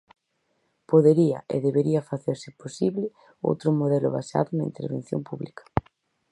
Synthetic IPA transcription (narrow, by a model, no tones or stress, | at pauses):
poðeɾia̰ʔḛðeβeɾiɐfaθeɾsɪposiβlɪ | o̰wt̪ɾomoð̞ɛlo̰βa̰sa̰ðʊnaḭnt̪eɾβenθjo̰mpuβlikɐ̥